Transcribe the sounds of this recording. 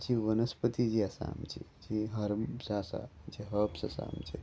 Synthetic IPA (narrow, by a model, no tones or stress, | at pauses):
t͡ʃiʋənɐspət̪id͡ʒiɐsa̰ːmt͡ʃḭd͡ʒiɦɐɾsasa̰d͡ʒiɦəpsɐ̰sa̰ːmt͡ʃi